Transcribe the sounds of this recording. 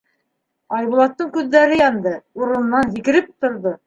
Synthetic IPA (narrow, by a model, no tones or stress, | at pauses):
ɑjβulˠɑt̪ːɤɴkʉðːæɾɘjɑnd̪ɤuɾɤ̆nɤ̆nːɑnzikɘ̆ɾɘp̚t̪ŏɾðo